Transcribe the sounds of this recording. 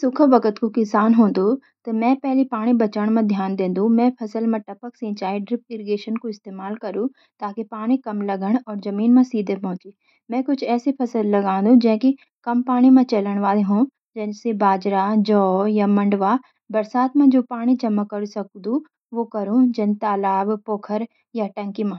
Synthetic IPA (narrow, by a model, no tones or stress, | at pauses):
sʊkʰəʋɐkət̪kokɪsaːnɦũːn̆d̪ot̪ɐmɛ̃pɛɦlipaːɽ̃ibɐt͡ʃəɽ̃mãd̪ʱjaːnd̪ẽːnd̪ũmɛ̃pʰɐsəlmãʈɐpəksĩːt͡ʃaːiɖɾɪp̚ʈɪɾɡeːʃənkoɪst̪eːmaːlkɐɾũ | t̪aːkipaːɽ̃ikɐmlɐɡəɽ̃ɔːɾzɐmiːnmãsiːd̪ʱepɐɦʊ̃t͡ʃiː | mɛ̃ːkʊt͡ʃʰɛːsipʰɐsəlːɐɡãːn̆d̪ũd͡ʒɛ̃ːki | kɐmpaːɽ̃imẽt͡ʃɐləɽ̃ʋaːleɦũ | d͡ʒɐnsebaːd͡ʒɾad͡ʒɔːjamɐ̃ɳɖʋa | bɐɾsaːt̪mẽd͡ʒoːpaːɽ̃it͡ʃɐmːəkːɐɾusɐk̚d̪ũ | ʋokɐɾũd͡ʒɐnt̪aːlaːbpoːkʰəɾ | jaʈɐ̃ŋkimã